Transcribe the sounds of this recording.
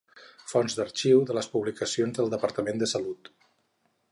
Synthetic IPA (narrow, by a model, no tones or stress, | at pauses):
fɔnzðd̪əɾt͡ʃiwðələspuβlikəsionzðəlˠd̪əpəɾt̪əmend̪əsəlut̪